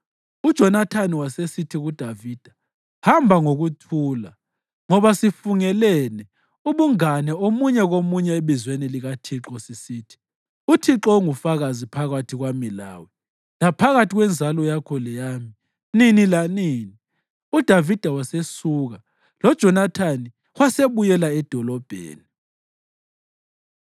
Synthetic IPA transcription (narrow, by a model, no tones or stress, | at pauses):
ud̥ʒ̥ʱɔnatʰaniwasesitʰiɣud̥ʱaviːd̥ʱa | hambʱaŋoɣutʰuːla | ŋɔβasifuŋɛlɛnɛ | uβuŋanɛomuɲɛɣomuɲɛeβizweniliɣatʰiǁɔsisiːtʰi̥ | utʰiǁɔŋufaɣazipʰaɣatʰiɣwamila̰ːwɛ | lapʰaɣatʰiɣwɛnd͡zʱalɔjakʰɔlɛjaːmi | ninilaniːni | ud̥ʱavid̥ʱawasesuːɣa | lɔd̥ʒ̥ʱɔnatʰani | waseβujɛlaɛd̥ʱɔlɔb̥ʱḛːni